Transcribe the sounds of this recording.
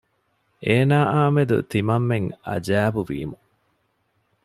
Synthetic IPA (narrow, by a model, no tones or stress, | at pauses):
ʔeːnaːʔaːmed̪ṵt̪imɐmːeŋɐ̰d͡ʒæːbuʋḭːmu